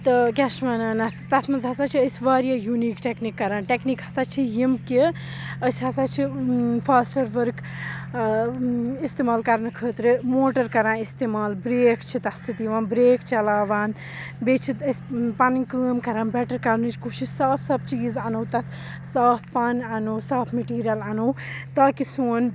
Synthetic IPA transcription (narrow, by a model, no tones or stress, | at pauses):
t̪ɨk̬ʲeʃmɐːnaːnɐt̪t̪ɐt̪ʰmɐzɦɐsaːt͡ʃʰiəsʲʋaːɾjaːjuniːkʈeknikːɐɾaːnʈeknikɦɐsaːt͡ʃʰijimki | əsʲɦɐsat͡ʃʰipʰaːsʈɐɾʋɐɾk | ist̪eːmaːlkɐɾnɨkʰəːt̪ɾemoːʈɐɾkɐɾãːnist̪eːmaːlbɾeːkt͡ʃʰit̪ɐst̪ʰit̪iʋãːnbɾeːkt͡ʃɐlaːʋaːn | beːt͡ʃʰiɐsʲpɐnkəːmkɐɾãːnbɛʈɐɾkɐɾnɨt͡ʃʰkuʃisaːpʰsɐb̚t͡ʃiːzanowt̪ɐt̪ | saːpʰpɐnɐnowsaːpʰmeʈiːɾijɐlanoːt̪aːkisuːn